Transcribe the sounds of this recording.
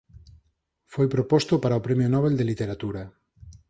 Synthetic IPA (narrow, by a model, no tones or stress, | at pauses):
fojpɾopɔst̪opaɾaopɾemjonɔβeld̪elit̪eɾat̪uɾa